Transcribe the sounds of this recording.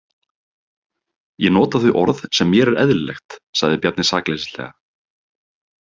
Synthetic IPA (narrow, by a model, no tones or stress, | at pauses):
jɛnɔːt̪aθʏʔɔɾθsɛmːjɛɾɛɾɛðllɛ̰xt̪saɣðɪpjat̪nɪ̥sa̰ːklesɪ̥lɛ̰ːɣa